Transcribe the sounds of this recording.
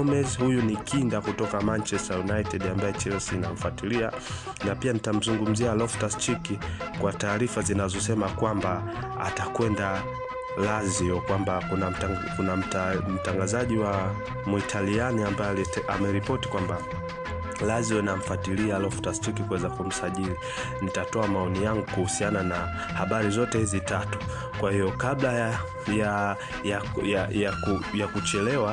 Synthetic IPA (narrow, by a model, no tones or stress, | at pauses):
mɛzhujunikʰindakutɔkamant͡ʃɛstajunaitɛdambajɛt͡ʃɛlɛsinaɱ̩fatilia | napianitam̩zuŋɡum̩zialɔftast͡ʃikikwataːɾifazinazɔsɛmakwamba | a̰takwɛnda | laziɔkwambaunakunam̩m̩taŋɡazaʄiwa | muitʰalianiambaɛamɛɾipɔti̥kwamba | laziwɛnam̩fatilialɔftastikikuwɛzakum̩saʄili | nitatɔamaɔnijaŋɡukuhusianana | haɓaɾizɔtɛhizitatu̥ | kwahijɔkabla | ja | jajajakujakut͡ʃɛlɛwa